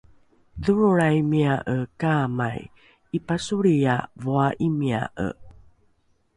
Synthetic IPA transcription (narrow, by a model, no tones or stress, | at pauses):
ðuɾuɾajmiaʔəkamaj | ipasuɾijavoaʔimia̰ʔə̰